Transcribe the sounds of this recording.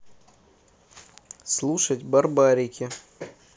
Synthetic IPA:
slˠuʂətʲbɐrbaɾʲɪkʲɪ

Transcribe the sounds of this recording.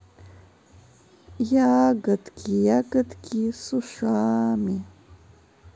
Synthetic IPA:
jaːɡɨt̪kʰijaɡət̪kʰʲisuʂaːmi

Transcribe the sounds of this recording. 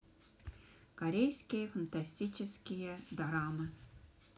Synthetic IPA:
kɐɾʲejskʲijəfənt̪asʲtʲit͡ɕɪskʲijəd̪ɾɑmɨ

